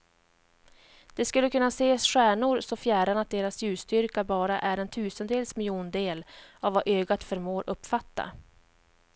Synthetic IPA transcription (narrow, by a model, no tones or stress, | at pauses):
d̪̥ɛskɵlːəkʰɵnːaseːsɧæːɳʊɾsɔfjæːɖanat̪̚d̪eːɾasjʉ̟ːst̪ʏɾkabɑːɾaʔæɾɛnt̪ʰʉ̟ːsənd̪eːlsmɪljuːnd̪eːlavːaʔøːɡat̪fœɾmoːɾʔɵpːfat̪ːa̰